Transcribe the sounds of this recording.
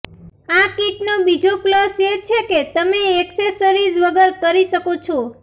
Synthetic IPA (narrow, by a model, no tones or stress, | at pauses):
akiʈ̚nobid͡ʒoklɔset͡ʃʰeket̪əmeːksesəɾid͡ʒʋəɡəɾkəɾiʃəkot͡ʃʰo